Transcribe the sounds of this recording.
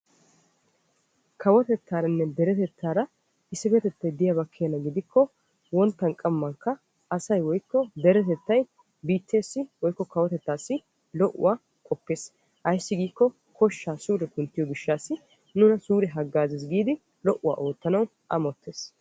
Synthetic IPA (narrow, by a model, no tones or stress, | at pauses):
kʰɐwɔt̪ɛt̪ʰːaːɾɐnːɛd̪ɛɾɛt̪ɛt̪ʰːaːɾɐ | ɪsːɪfɛt̪ɛt̪ːɐjd̪ɪjabɐkʰːeːnːɐɡɪd̪ɪkʰːɔ | wɔnt̪ːɐŋkʼɐmːɐŋkːɐ | ɐsɐjwɔjkːɔd̪ɛɾɛt̪ɛt̪ːɐj | biːt̪ːe̞ːsːɪwɔjkːɔkɐwɔt̪ɛt̪ːaːsːɪ | lɔʔːʊ̰waː | kʼɔpːe̞ːs | ʔɐjɪsːɪɡiːkːɔ | kʰɔʃːaːsuːɾɛkʊnt̪ːɪjɔɡɪʃːaːsːɪ | nʊnɐsuːɾɛɦɐɡːaːzɪs̬ɡiːd̪ɪ | lɔʔʊwa̰ːʔo̞ːt̪ːɐnɐw | ʔɐmɔt̪ːe̞ːs